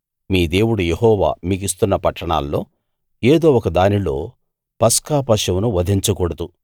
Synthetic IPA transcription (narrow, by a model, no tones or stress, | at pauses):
miːd̪e̞ːwuɽujeɦɔːʋa̰ːmiːɡ̬ist̪unːɐpɐʈːɐɳa̰ːlːo̞ː | eːd̪o̞ːɔkɐd̪aːnilo̞̰ː | pɐskaːpɐʂɐmnuʋɐd̪ʱiɲt͡ʃɐkɔɽɐd̪u